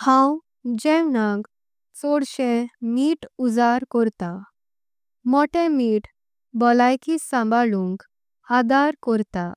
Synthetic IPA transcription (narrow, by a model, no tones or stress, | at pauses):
hãw | d͡ʑɛ̃wnãk | t͡sɔɽɕɛ̃miːʈud͡zaɾkɔɾt̪a | mɔʈɛ̃miːʈ | bɔlajkisãmbalũŋk | had̪aɾkɔɾt̪a